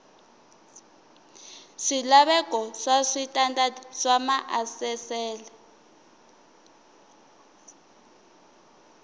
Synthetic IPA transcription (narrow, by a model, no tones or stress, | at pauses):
ʂilaɓɛkɔʂaʂitʼandaʂamaʔasɛsɛːlɛ